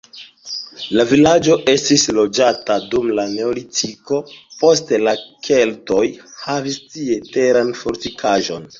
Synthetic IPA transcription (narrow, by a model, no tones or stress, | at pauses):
lavilad͡ʒo̞ʔe̞stislo̞d͡ʒatadumlane̞olitiko̞po̞s̬telakʰe̞lto̞jhavistie̞te̞ɾanfo̞ɾtikʰaʒo̞n